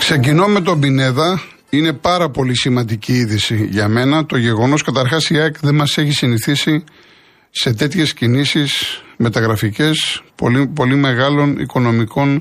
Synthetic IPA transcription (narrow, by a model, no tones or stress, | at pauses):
kse̞cino̞me̞t̪̬o̞bine̞ðɐ | ine̞pɐɾɐpo̞lisimɐnd̪iciiðisiʝɐme̞nɐt̪o̞ʝe̞ɣo̞no̞skɐt̪ɐɾxɐsiɐkðe̞nmɐse̞çisiniθisi | se̞t̪e̞t̪çe̞scinisisme̞t̪ɐɣɾɐfice̞spo̞̰lipo̞lime̞ɣɐlo̞nḭko̞no̞miko̞n